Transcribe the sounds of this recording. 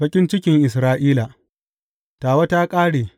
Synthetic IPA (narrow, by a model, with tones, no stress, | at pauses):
bɐ˦kʲʼɪ˦nt͡ʃɪ˦kʲɪ˨ŋʔɪ˨s̬ɾaː˦ʔiː˦la˨ | taː˨wa˦ta˦kʼaː˦ɽeː˨